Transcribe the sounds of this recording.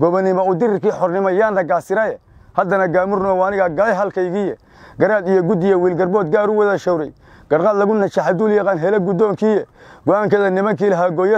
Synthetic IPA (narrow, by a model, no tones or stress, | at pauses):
ɡ̥ɔβɐnɪmɔʊd̪ɪɾɪrkiːħɔrnɪmɔjaːnːɐɡaːsɪɾɐjɛhɐd̪ɐnɐɡaːmʊrnɔːwanɪɣɐɡɐjɦɐlkʰɐjɣiːjɛ | ɡɐɾaːd̪ijɔɡʊd̪ijɔwiːlɡɐrbɔːd̪̚ɡaːɾʊwɐðɐʃɔwɾɛj | ɡ̥ɐɾqaːd̪lɐɣʊnɐt͡ʃaħad̪uːljɑqɑːnɦɛlɛɡʊd̪ɔːŋkʰiːjɛɡɔaːŋkʰɐðɐnɪmɐŋkiːlɐɦaːɡɔːjɐ